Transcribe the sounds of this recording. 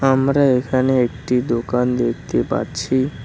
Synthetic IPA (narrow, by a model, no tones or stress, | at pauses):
amɾaekʰaneek̚ʈid̪okand̪ek̚ʰt̪epa̰ɾt͡ɕʰi